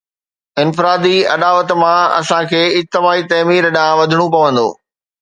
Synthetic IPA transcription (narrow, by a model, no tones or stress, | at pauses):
ɪnfɪɾaːd̪iɐ̰ɗaːʋət̪̆mãɐ̰sãkʰeːɪt̪ːɪmaːit̪ɐːmiːɾəɗãʋɐd̪ʱɪɽ̃ũpɐʋə̃nd̪o̰ː